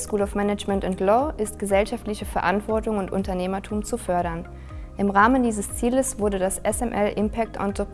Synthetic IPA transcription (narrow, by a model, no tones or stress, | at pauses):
skuːlɔfmɛnɛd͡ʒmɛntʊntlɔːʔɪstɡ̥əzɛlʃaftlɪçəfɛɐʔantv̥ɔɐtʊŋʊntʔʊ̰ntɐneːmɐtʰuːmt͡sufœɐɾɐn | ʔɪmʁaːməndiːzəst͡siːləsv̥ʊɐdədasʔɛsɛmʔɛlʔɪmpʰɛk̚tʔɔ̰ntʰop